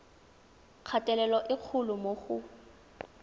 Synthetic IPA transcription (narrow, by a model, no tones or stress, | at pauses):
q͡χʰatʼɛlɛlɔʔɪq͡χʰʊlʊmoχʊ